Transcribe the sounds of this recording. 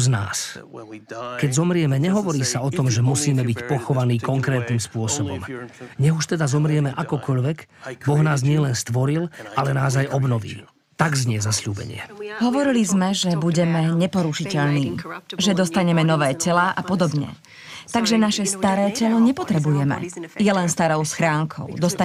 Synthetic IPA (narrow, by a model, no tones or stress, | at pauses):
zna̰ːs | kɛɟzɔmɾɪɛmɛɲɛɦɔʋɔɾiːsaɔt̪ɔmʒɛmusiːmɛbicpɔxɔʋaniːkɔŋkɾɛːt̪niːmspʊɔsɔbɔ̰mɲɛɦuʃt̪ɛd̪azɔmɾɪɛmɛʔakɔkɔʎʋɛɡbɔɣnaːzɲɪɛlɛnst̪ʋɔɾilalɛnaːzajʔɔbnɔʋḭː | t̪aɡzɲɪɛzasʎuːbɛ̰ɲɪɛ̰ɦɔʋɔɾilizmɛʒɛbuɟɛmɛɲɛpɔɾuʃicɛʎniːʒɛd̪ɔst̪aɲɛmɛnɔʋɛːcɛlaʔapɔd̪ɔbɲɛ̰ | t̪aɡʒɛnaʃɛst̪aɾɛːcɛlɔɲɛpɔt̪ɾɛbujɛmɛ̰jɛlɛnst̪aɾɔʊsxɾaːŋkʰɔ̰ʊd̪ɔst̪a